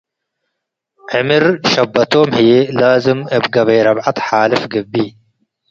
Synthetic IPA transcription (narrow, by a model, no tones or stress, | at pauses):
ʕɪmiɾʃɐbːɐt̪oːmhijelaːzɪmɐbɡɐβɐjɾɐbʕat̪ħaːlɪfɡɐbːiː